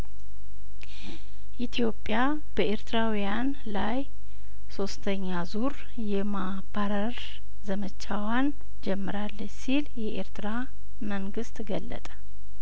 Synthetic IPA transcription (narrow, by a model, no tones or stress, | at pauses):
ʔit̪ʰjo̞pʼːja | b̥əʔe̞ɾt̪ʰɨɾawijan | laj | so̞st̪ʰəɲːazuɾ | jɛma | baɾəɾ | zəmət͡ʃawan | d͡ʒɛmːɨɾalːəɲsiljɛʔeɾt̪ʰɨɾa | məŋɡɨst̪ɡəlːə̰t̪ʼə̥